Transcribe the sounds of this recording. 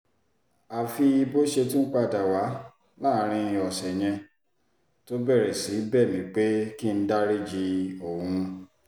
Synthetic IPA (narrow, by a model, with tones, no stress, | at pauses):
a˨fi˧i˧bo˦ʃe˧tũ˦k͡pa˧˨da˨wa˨˦ | laː˦ɾ̃ĩ˧ĩ˧ɔ˨sɛ˨j̃ɛ̃˧ | to˦bɛ˦˨ɾɛ˨si˨˦bɛ˦˨mĩ˨˦k͡pe˦ki˦n̩˦da˦ɾi˦d͡ʒi˧o˦˨ũ˧